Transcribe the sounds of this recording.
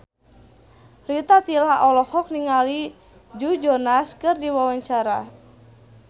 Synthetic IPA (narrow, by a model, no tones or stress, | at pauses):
rit̪at̪ilaɔlɔhɔk̚niŋali | d͡ʒud͡ʒɔnaskɨrdiwawaɲt͡ʃaɾa